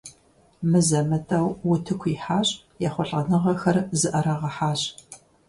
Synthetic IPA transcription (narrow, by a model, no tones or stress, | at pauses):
mɨzɐmɨtʼɐwwʊtʰɨkʷʰiħaːɕʼ | jɛχʷɔɬʼɐnɨʁɐxɐrzɨʔɐɾɐʁɐħaːɕ